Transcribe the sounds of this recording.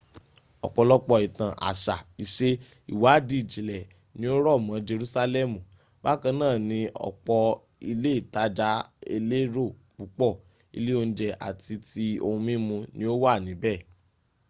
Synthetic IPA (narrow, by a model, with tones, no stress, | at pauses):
ɔ̰˨k͡pɔ˧lɔ˦k͡pɔ˧i˨tã˨ʔa̰˨ʃa˨i˨ʃe˦ | ḭ˨wa˨˦di˨˦˨d͡ʒi˨lɛ˨ | nĩ˦o˦ɾɔ˦˨mã˨˦d͡ʒe˧ɾu˦sa˦˧lɛ˦˨mũ˨ | ba˦kã˧nãː˦˨nĩ˧ɔ̰˨k͡pɔ˧ | i˧le˦i˦˨ta˨˦d͡ʒa˨˦ḛ˧le˦ɾo˦˨ | k͡pu˨˦k͡pɔ˦˨ | ḭ˧le˦o˧ñ̩˦d͡ʒɛ˧ʔa̰˨ti˧ti˧õ˧mĩ˦mũ˧nĩ˧˦o˦wa˦˨nĩ˨˦bɛ˦˨